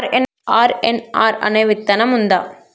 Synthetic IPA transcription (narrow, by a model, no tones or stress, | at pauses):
ɾɛn | ʔaːɾɛnaːɾɐ̰nɐɪʋɪt̪ːɐnɐmʊnd̪a̰ː